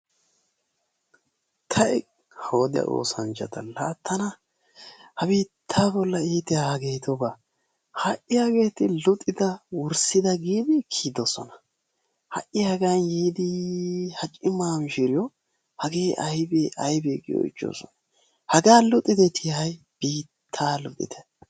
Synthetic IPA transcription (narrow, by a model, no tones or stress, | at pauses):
t̪ʰɐʔɛ | hoːd̪ɪɐ̰ʔo̰ːsɐnt͡ʃɐt̪ɐlaːt̪ʰːɐnɐ | hɐbiːt̪ʰːaːbɔlːɐiːt̪ɪahɐɡeːt̪ɔba | hɐʔɪjaɡe̞ːt̪ɪlʊt̪ʼːɪd̪ɐwɔɾsɪd̪ɐɡiːb̪ɪkʰːiːd̪osɔnɐ̥ | hɐ̰ʔɪhɐɡanjeːd̪ɪhɐt͡ʃʼɪmaːmɪʃɪɾɪjɔ | hɐɡeːʔɐjbeːʔɐjbeːɡɪ̰jɔ̰ɪ̰t͡ʃːo̰ːsɔ̰nɐ | hɐɡaːlʊt̪ʼːɪd̪ɛt̪ʰɪhɐj | b̥iːt̪ʰːaːlʊt̪ʼːɪ̰t̪ɛ̥